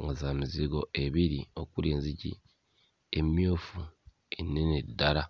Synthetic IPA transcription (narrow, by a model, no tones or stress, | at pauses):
ŋɡazaːmiziɡo̞ʔe̞βiɾio̞kuleːnzicḭ | emjoːfu | enːenidːaɾa